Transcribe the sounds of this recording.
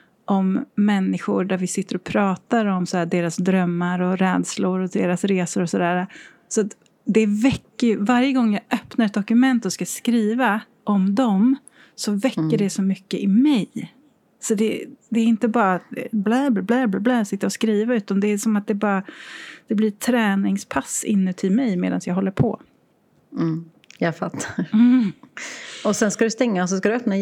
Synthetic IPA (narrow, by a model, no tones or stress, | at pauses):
ʔɔmːɛnːɪɧʊɖæɾvɪsɪt̪ːəɾɔpʰɾɑːt̪aɾɔmsɔæːd̪eːɾasd̪ɾœmːaɾɔɾɛːd̪slʊɾɔd̪eːɾasɾeːsʊɾɔsɔd̪æːɾa | sɔat̪ | d̪ɛvɛkːəɾjvaɾjəɡɔŋːjɑʔœpnaɾɛt̪̚d̪ɔkɵmɛnt̪ɔskaskɾiːva | ʔɔmd̪ɔm | sɔvɛkːəɖɛsɔmʏkːəʔɪmɛj | sɔd̪ɛd̪ɛːɾɪnt̪əbɑːɾablæːbblæːblablɛːsɪt̪ːaɔskɾiːvaʉ̟ːt̪and̪ɛːsɔmat̪̚d̪ɛbɑːɾad̪̥ɛblɪt̪ʰɾɛːnɪŋspʰasːɪ̰nːət̪ʰɪlmɛjmḛːd̪a̰nsjɑːɡɦɔlːəɾpʰɔ̰ | jɑːfat̪ʰːaɾ | ɔsɛnskad̪ɵst̪ɛŋːas̬ɔskad̪ɵœpna